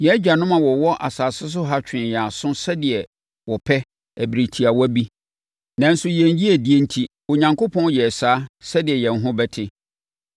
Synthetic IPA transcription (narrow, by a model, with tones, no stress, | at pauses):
jɛ˨˦d͡ʑᶣa˨nʊ̃˦mã˨wɔ˨wɔ˦ʔa˨saː˨sɪ˦s̬ʊ˦ɦa˦t͡ɕᶣɪ̃˨jaː˨sʊ̃˦sɛ˦dɪ˨ɛ˨ | wɔ˨pʰɛ˦ | æ˨bɾi˨tʰi˨a˨wɔ˦bi˦ | nã˨n̩˦sʊ˨jɛ̃˨n˦ji˦e˨di˦e˦n̩˦tʰi˦ | o˨ɲã˨ŋko˦pʰɔ̃˦n˦jɛ˨saː˦sɛ˦dɪ˨ɛ˨jɛ̃˨n˦ɦʊ̃˦bɛ˦tʰɪ˦